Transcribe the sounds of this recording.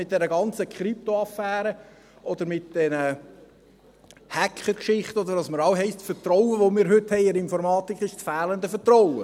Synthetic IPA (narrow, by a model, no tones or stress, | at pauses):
mɪt̚d̥ɛɾəɡɑnt͡səkʰɾip̚t̪oɑfæːɾə | ʔɔd̪əɾmɪt̚d̥ɛnə | hækχəɾkʃɪχtɔd̪əɾɑsməɾɑʊɦɛɪstfəɾtɾɔwəʋomɪːɾɦʏthɛɪɪɾɪnfɔɾmɑːt̪ikχɪʃtfæːlənd̪əfətroʊwə̰